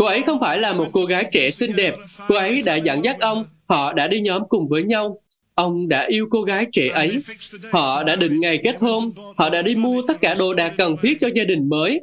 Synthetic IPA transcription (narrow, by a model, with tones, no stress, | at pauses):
ko˧ʔə˨˦jxə˧wŋ͡mfaː˧˩jlaː˨˩mo˨˩t̚ko˧ɣaː˨˦jt͡ɕɛ˧˩sï˧ŋ̟ɗɛ˨˩p̚ko˧ʔə˨˦jɗa̰ː˧˥za̰˧˥ŋza˦˥t̚ʔə˧wŋ͡mhɔ̰˧˨ɗa̰ː˧˥ɗi˧ɲɔ˨˦mkʊ˨˩ŋ͡mvəː˨˦jɲa˧w | ʔə˧wŋ͡mɗa̰ː˧˥ʔi˧əwko˧ɣaː˨˦jt͡ɕɛ˧˩ʔə˨˦jhɔ̰˧˨ɗa̰ː˧˥ɗḭ̈˧˨ŋ̟ŋa˨˩jke˦˥t̚həː˧nhɔ̰˧˨ɗa̰ː˧˥ɗi˧mu˧ət̪ə˦˥t̚kaː˧˩ɗo˨˩ɗaː˨˩k̚kə˨˩nt̪ʰi˦˥ət̚t͡ɕɔ˧zaː˧ɗï˨˩ŋ̟məː˨˦j